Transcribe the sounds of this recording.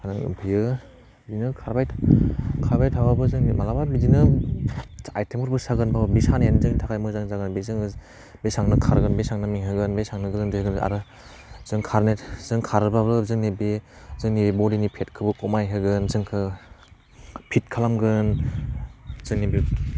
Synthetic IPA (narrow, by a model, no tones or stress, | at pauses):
anaŋɯ̰pʰijɯ | bzinɯkʰaɾbajʰkʰaɾbajtʰawabɯzɯŋnmalababizinɯ | ajtʰemʰɯɾbɯsaɡɯnbawbisanenzɯŋnitʰakʰajmɯzaŋzaɡɯnbezɯŋ | besaŋnɯkʰaɾɡɯnbesaŋnɯmiŋɦɯɡɯnbesaŋnɯɡɯzɯŋdeɯɡɯna̰ɾɯ | zɯŋkʰaɾnetzɯŋkʰaɾɯbabɯzɯŋnibezɯŋnibebɔdinipʰet̚kʰɯbɯkɔmajɦɯɡɯnzɯŋkʰɯ | pʰit̚kʰalamɡɯn | zɯŋnibi